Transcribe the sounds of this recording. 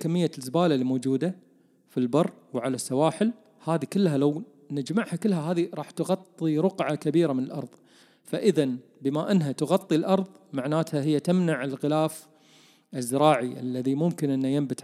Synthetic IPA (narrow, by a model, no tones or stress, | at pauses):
kamːɪjːazbaːlalːimoːd͡ʒuːd̪a | filbɑrˤː | wʕalasːawaːħɪl | haːðikɪlːɦalaw | nɪd͡ʒmaʕhakɪlːɦaɦaːðiɾˤɑːħt̪ɣɑt̪ˤːiɾʊqʕakabiːɾamɪnɪlʔɑ̰ɾˤðˤ | faʔəðan | bɪmaʔɪnːɦat̪ʊɣɑt̪ˤːilʔɑɾˤðˤmaʕnaːt̪haɦɪjːat̪amnaʕɪlɣɪlaːf | ɪzːɪɾˤɑːʕiʔa̰lːaðimʊmkɪnʔɪnːajɪmbɪt̪